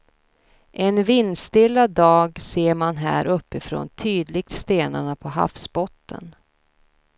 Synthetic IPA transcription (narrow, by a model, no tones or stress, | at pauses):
ʔɛnvɪnːst̪ɪlːad̪ɑːɡseːɾmanɦæ̰ːɾʔɵpːɪfɾo̰ːnt̪ʰyːd̪lɪɡ̚t̪st̪eːnaɳapʰɔɦa̰fsbɔt̪ːə̰n